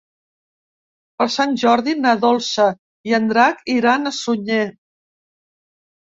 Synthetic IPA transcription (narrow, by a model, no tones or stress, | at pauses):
pəɾsanʲʒɔɾðinaðolˠsə | iənd̪ɾakiɾanəsuɲe